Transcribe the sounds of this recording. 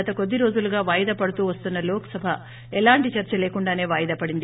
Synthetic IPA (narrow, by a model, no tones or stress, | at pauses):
ɐt̪ɐko̞d̪ːiɾo̞ːd͡ʒuluɡaːʋaːjɐd̪ɐpɐɽut̪uːʋɐst̪unːɐloːkɐ̥sɐbʱɐ | ɛlaːɳʈit͡ʃɐɾt͡ʃɐleːkuɳɖaːne̞ːʋaːjɐd̪ɐpɐɽind̪i